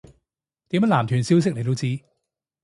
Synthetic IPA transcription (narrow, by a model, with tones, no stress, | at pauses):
t̪iː˨˥mɐ˥˩laː˨˩mt̪ʰyː˨˩˦nsi˦˥wsɪ˥k̚le˨˩t̪wt͡siː˥